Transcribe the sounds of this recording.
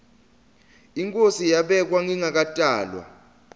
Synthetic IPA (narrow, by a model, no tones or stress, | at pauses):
iŋkʼosijaɓɛk̬waŋiŋak̬atʼaːlwa̰